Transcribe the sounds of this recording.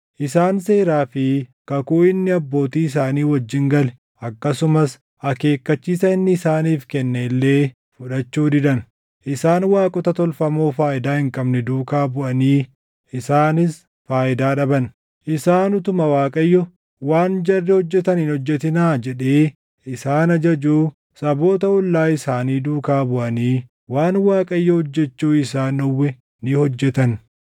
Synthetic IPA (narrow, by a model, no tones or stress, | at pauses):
ʔɪsaːnse̞ːɾaːfɪkɐkuːɪnːɪɐbːo̞ːt̪iːɪs̬aːniːwɐd͡ʒːɪŋɡɐlɛ | ʔɐkːɐsʊmɐs | ʔɐke̞ːkːɐt͡ʃːiːsɐɪnːɪːsaːniːfkɛnːɛɪlːe̞ː | fʊᶑɐt͡ʃːuːd̪ɪd̪ɐn | ʔɪsaːnwaːkʼɔt̪ɐt̪ɔlfɐmoːfaːʔɪd̪aːhɪŋkʼɐbnɛd̪uːkaːbʊʔɐniː | ɪsaːnɪs | faːʔɪd̪aːᶑɐbɐn | ʔɪsaːnʊt̪ʊmɐwaːkʼɐjːɔ | waːnd͡ʒɐrːɛhɔd͡ʒːɛt̪ɐniːnɔd͡ʒːɛt̪ɪnaːd͡ʒɛᶑeː | ʔɪsaːnɐd͡ʒɐd͡ʒuː | sɐbo̞ːt̪ɐɔlːaːɪsaːniːd̪uːkaːbʊʔɐniː | waːnwaːkʼɐjːɔhɔd͡ʒːɛt͡ʃːuːɪsaːnɔwːɛ | nɪhɔd͡ʒːɛt̪ɐn